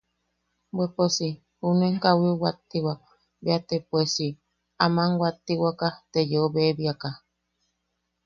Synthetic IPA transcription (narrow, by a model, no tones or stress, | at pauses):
bweposi | huneŋkawiuwat̪ːiwak̚ | beat̪epwesi | amaŋwat̪ːiwakat̪ejeoβeβiaka